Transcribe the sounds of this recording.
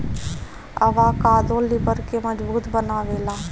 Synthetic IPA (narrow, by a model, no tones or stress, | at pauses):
əʋaːkaːd̪õːlɪbəɾkeːməd͡ʒbuːt̪bənaːʋeːlaː